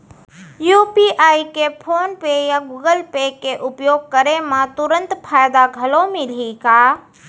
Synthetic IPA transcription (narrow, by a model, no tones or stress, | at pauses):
juːpiʔaːikepʰoːnpejaɡuːɡəlpekeʔʊpjoːɡ̚kəɾemãt̪ʊɾə̃nt̪pʰaːjd̪aɡʱɐlomɪlikaː